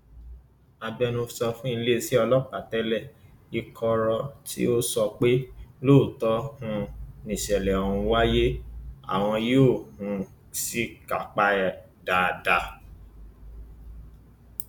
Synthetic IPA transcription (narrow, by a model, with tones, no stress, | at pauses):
a˧bɛ˧nũ˧sɔ˧fũ˦i˧le˦˧si˦ɔ˧lɔ˦k͡pa˨tɛ˨˦lɛ˦˨i˧kʰɔ˧ɾɔ˧tʰḭ˦o˦sɔ˧k͡pe˦loː˦˨tɔ˦hũ˧nĩ˨ʃɛ˨lɛ˨ɔ˨ũ˧wa˦je˦a̰˨w̃ɔ̃˧joː˦˨hũ˨˧ | si˦ka̰˨k͡pa˨˦ɛ˨ | da˨da˧